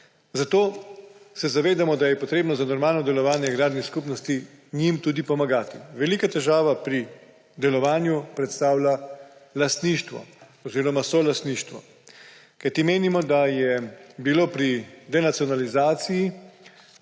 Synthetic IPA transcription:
zat̪oːsɛzaʋeːd̪amɔd̪ajɛpɔt̪ɾeːbnɔzanɔɾmaːlnɔd̪ɛlɔʋaːnjɛɡɾaːd̪niskupnɔst̪i | nimt̪uːd̪ipɔmaɡaːt̪iʋɛlikat̪ɛʒaːʋapɾi | d̪ɛlɔʋaːnjupɾɛt̪st̪aːwlalast̪niːʃt̪ʋɔ̰ | ɔziːɾɔmasɔlast̪niːʃt̪ʋɔ | kajt̪imeːnimɔd̪ajɛbiloːpɾid̪ɛnat̪siɔnalizaːt̪siji

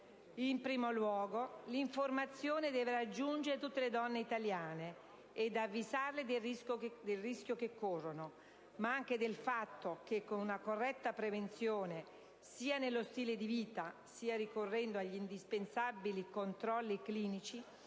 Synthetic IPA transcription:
impɾiːmolwɔːɡoliɱformat̪sːjoːned̪ɛːveɾad͡ʒːund͡ʒeɾet̪ut̪ːeled̪ɔnːeit̪aljaːneː | d̪avːizarled̪eisod̪elrisk̟jokekːorːono | maaŋk̟ed̪elfat̪ːok̟ekːonunakorːɛt̪ːapɾevent̪sjoːne | siːanelːost̪iːled̪iviːt̪asiːaɾikorːɛnd̪oaʎːind̪ispensabilikont̪ɾɔlːikliːnit͡ʃi

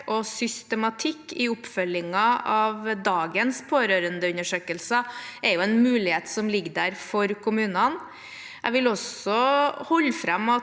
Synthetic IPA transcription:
ɔsʏst̪əmɑt̪ʰɪkːɪʊpːfœlɪŋɑɑʋd̪ɑːɡənspʰoːɾøːɾənd̪əʉnəʂøːkəlsəɛɾjʊɛnmʉːlɪheːt̪sɔmlɪɡːd̪æɾfɔɾkʰʊmʉːnɑn | ʔæ̰ɪʋɪlɔsɔhɔlːfɾɑmɑ

